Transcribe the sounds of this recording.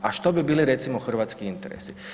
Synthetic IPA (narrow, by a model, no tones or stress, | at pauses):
aʃt̪obibiːliɾe̞t̪simoxr̩ʋaːt̪skiint̪eɾḛsi